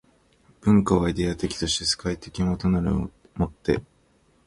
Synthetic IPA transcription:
b̥ɯ̟̃ŋkaβaid̪e̞at̪e̞kʲi̥t̪o̞ɕi̥t̪e̞sɨ̥kait̪e̞kʲinat̪onaɾɯ̟ | mo̞t̪ːe̞̰

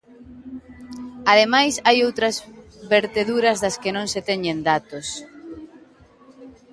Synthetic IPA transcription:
aðemajsajowt̪ɾɐzβeɾt̪eðuɾɐzðɐskɪnõŋset̪ɛɲend̪at̪os

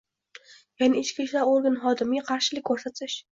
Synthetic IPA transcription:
janɪɪt͡ʃkʲiʃlaɾoɾɡanχɒd̪ɪmɪɡʲaqʰɑɾʃɪlɪk̚ʲkʰːɵɾsat̪ʰɪʃ

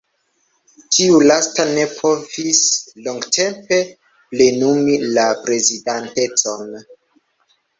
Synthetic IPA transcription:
tʰiulastane̞pʰo̞vislo̞ŋɡtʰe̞mpe̞ | ple̞numilapɾe̞zidante̞t͡so̞n

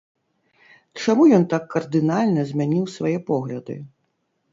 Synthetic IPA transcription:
t͡ʂamujɔnt̪akːɐrd̪ɨnalʲnɐzʲmʲanʲiwsvajɛpɔɣlʲɐd̪ɨ̰

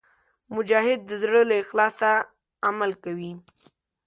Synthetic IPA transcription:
mʊd͡ʒɑhɪd̪̚ːəzɽəlaɪxlɑsa | amalkawi

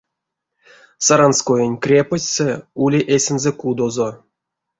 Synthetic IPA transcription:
saɾanskojenʲkrʲepəsʲseulʲiʔesʲɘnzekud̪ozo

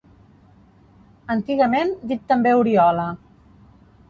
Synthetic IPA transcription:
ənt̪iɣəmend̪it̚t̪ːəmbeuɾiɔlə

